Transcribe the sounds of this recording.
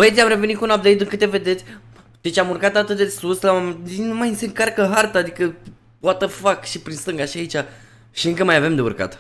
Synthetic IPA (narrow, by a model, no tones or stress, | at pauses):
bəet̪sʲamɾe̞ve̞nit̪kunap̚d̪e̞jt̪ɨŋkɨt̪eve̞d̪e̞t̪sʲ | d̪̥e̞t͡ʃʲamurkat̪at̪ɨt̪̚d̪esuslaaminumaj̪seɨŋkarkəɦart̪aːd̪ikə | poat̪əfakʃipɾinst̪ɨŋɡaʃiait͡ʃa | ʃiɨŋkəmajave̞md̪e̞ṵrka̰t̪